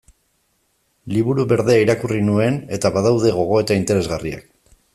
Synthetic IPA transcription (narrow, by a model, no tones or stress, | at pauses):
liβuɾuβe̞ɾðe̞aiɾakurinue̞ne̞t̪aβaðawðe̞ɣ̞o̞ɣ̞o̞e̞t̪aint̪e̞ɾe̞zɣaria̰k